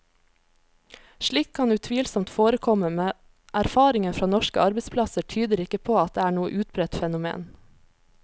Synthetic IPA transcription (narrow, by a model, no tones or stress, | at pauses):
ʃɭiːkʰɑnʉːt̪ʰʋiːlsɔmt̪foːɾəkʰɔməmeː | ʔæɾfɑːɾɪŋənfɾɑːnɔʃkə̰ʔɑɾbəspʰlɑsəʈʰyːd̪əɾɪkəpʰoːɑt̪̚d̪eːæːɳuːə̰ʔʉːt̪̚bɾɛt̪fɛnʊmḛːn